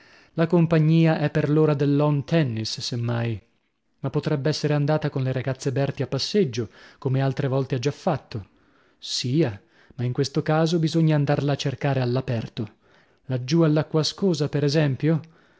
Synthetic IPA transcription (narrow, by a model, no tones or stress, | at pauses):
lakompaɲːiːaʔɛpːerloːɾad̪elːɔnt̪ʰɛnːissemːaj | mapːot̪ɾɛbːeɛsːeɾeand̪aːt̪akonleɾaɡat̪sːebɛrt̪iapːasːed͡ʒːokomealt̪ɾevɔlt̪ead͡ʒːafːat̪ːo | siːa | maiŋkwest̪okaːzobizoɲːaːnd̪arlaːt͡ʃːerkaːɾealːapɛrt̪o | lad͡ʒːualːakːwaskoːzapeɾɛzɛmpjo